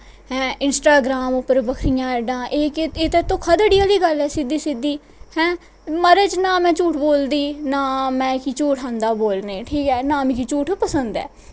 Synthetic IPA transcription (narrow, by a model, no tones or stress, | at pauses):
hɛ̃ːɪnsʈaːɡɾaːmʊpːəɾbəkʰɾijãːɛɖãːʔeːeːt̪eːt̪õːkʰəd̪əɽijaːliːɡəlɛːsɪd̪iːsɪd̪ːiː | hɛ̃ː | məɾeːt͡ʃnãːmɛ̃ːt͡ʃuːʈʰboːld̪iːnaːmɛ̃ːkiːt͡ʃuːʈʰɦãːnd̪aːboːlneːʈʰiːkɛːnãːmĩːkiːt͡ʃuːʈʰpəsənd̪ɛ̰ː